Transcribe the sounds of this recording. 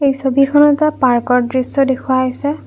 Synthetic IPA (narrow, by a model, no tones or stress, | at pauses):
ejsobikʰɔnɔtapaɹkɔɹdɹisɔdekʰuajsɛ